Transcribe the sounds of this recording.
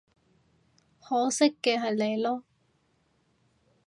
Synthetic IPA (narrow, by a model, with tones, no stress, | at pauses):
hɔː˨˥sɪ˥kːɛː˧ɦɐ˨jle˨jlɔː˦˥